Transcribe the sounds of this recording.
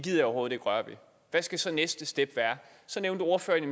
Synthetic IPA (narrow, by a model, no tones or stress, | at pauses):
ɡið̰ˠjo̰ɦoːð̩̥ˠe̝ɡ̥ʁɶɐʋḭ | ʋæsɡ̥æsɒ̽nesd̥əsd̥eb̥ʋæːɐ | sɒ̽neʊnd̥uo̝ɐfø̰ɐenm